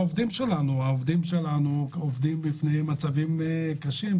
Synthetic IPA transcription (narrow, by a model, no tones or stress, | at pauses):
ovd̪imʃelanuaovd̪imʃelanuovd̪imbifnejmat͡savimkaʃim